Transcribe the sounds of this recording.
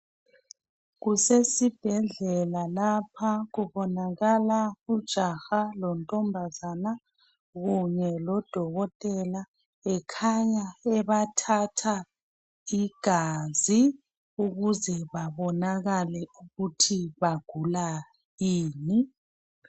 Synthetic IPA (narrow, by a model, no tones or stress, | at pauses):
ɣusesib̥ʱɛɮɛlalapʰaɣuβɔnaɣalaud̥ʒ̥ʱaxalɔntʼɔmbʱazana | ɣuɲɛlɔd̥ʱɔɣɔtʼɛla | ɛkʰaɲaɛβatʰatʰa | iɡ̥ʱazi | uɣuzɛβaβɔnaɣalɛuɣutʰiβaɡ̥ʱula | jiːni